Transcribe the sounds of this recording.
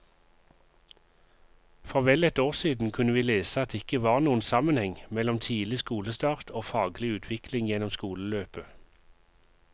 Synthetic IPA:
fɔʁʋɛlɛt̪oːʁsiːd̪n̩kʰʉnəʋiːleːsəɑt̪̚d̪eːɪkəʋɑːʁnuːənsɑmənhɛŋmɛlɔmt̪ʰiːlɪskuːləst̪ɑːʁt̪ʰoːfɑːɡlɪʉːt̪ʰʋɪklɪŋjɛnɔmskuːləløːpə

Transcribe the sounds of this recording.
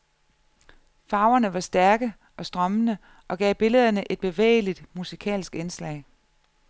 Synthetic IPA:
fɑ̈ʊɐnəʋɑ̈sd̥æɐɡ̥ə | ʔɒ̽sd̥ʁɶmənə | ʔɒ̽ɡ̥ɛ̰ːb̥e̝ləð̞ˠɐnəʔe̝d̥̚b̥e̝ʋḛːlid̥musikʰɛ̰ːlsɡ̥enslɛ̰ɪ

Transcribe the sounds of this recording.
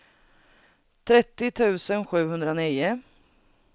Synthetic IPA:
t̪ʰɾɛt̪ːɪt̪ʰʉ̟ːsənɧʉ̟ːɦɵnd̪ɾaniːʊ

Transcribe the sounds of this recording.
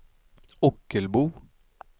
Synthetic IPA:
ɔkəlbuː

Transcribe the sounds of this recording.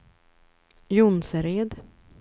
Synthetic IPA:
jʊnsəɾeːd̪

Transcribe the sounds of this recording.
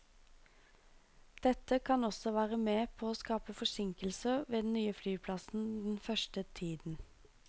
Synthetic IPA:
d̪̥ɛt̪əkʰɑnɔsɔʋæːʁəmeːpʰoːoːskɑːpəfɔsɪŋkəlsəʋeːd̪n̩nyːəflyːpʰlɑsn̩d̪ɛn̩fœʃʈət̪ʰiːd̪n̩

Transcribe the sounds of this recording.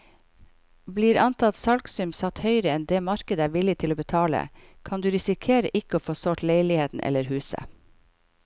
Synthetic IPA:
bliːɾɑnt̪ʰɑt̪sɑlksʏmsɑt̪hœʏɾəɛnd̪eːmɑɾkəd̪əæːɾʋɪlɪt̪ʰɪloːbət̪ʰɑːlə̰kʰɑnd̪ʉːɾɪsɪkʰeːɾə̰ʔɪkəoːfoːsoːʈleɪlɪheːt̪n̩ʔɛ̰ləɾhʉːsə̰

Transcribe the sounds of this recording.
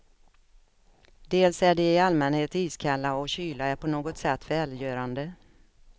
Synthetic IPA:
d̪eːlsæɖɛɪalmɛnheːt̪iːskʰalːaɔɕyːlaæɾpʰɔnoːɡɔt̪sɛt̪ːvɛːljœːɾand̪ə

